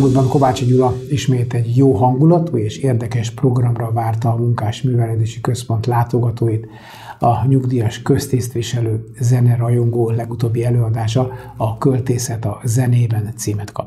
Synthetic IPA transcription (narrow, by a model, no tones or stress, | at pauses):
muld̪bɒŋko̞vaːt͡ʃiɟulɒiʃmeːt̪ɛɟjoːɦɒŋɡulɒt̪uːeːʃeːrd̪ɛkɛʃpro̞ɡrɒmrɒvaːrt̪ɒːmuŋkaːʃmyːvɛlɛd̪eːʃikø̞spo̞nt̪laːt̪o̞ɡɒt̪oːjit̪ | ɒɲuɡd̪iːjɒʃkø̞st̪ist̪ʋiʃɛløːzɛnɛɾɒjo̞ŋɡoːlɛɡut̪oːbːiɛløːɒd̪aːʃ̬ɒɒkølt̪eːsɛt̪ɒzɛneːbɛnt̪siːmɛt̪kɒ̰p